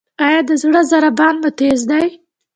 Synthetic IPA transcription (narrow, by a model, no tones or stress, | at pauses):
ɑjɑd̪əzɽəzaɾabɑnmət̪ezd̪aj